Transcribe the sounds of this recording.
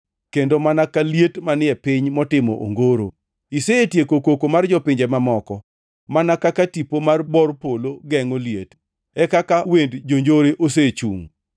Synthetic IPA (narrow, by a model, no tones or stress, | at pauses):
kendomanakaljetmanɪɛpɪɲmɔtɪmɔ̰ʔo̰ŋɡoɾo̰ | iseːtjekokokomard͡ʒɔpɪɲd͡ʒɛmamɔkɔ | manakakatipomarbɔrpoloɡɛŋoliet | ɛkakawendd͡ʒoɲd͡ʒoɾeʔos̬et͡ʃṵŋ